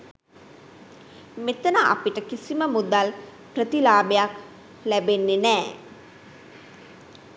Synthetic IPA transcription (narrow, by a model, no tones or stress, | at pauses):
met̪ənəʔa̰piʈəkisiməmud̪al | prət̪ilaːbejak | læbenːenɛː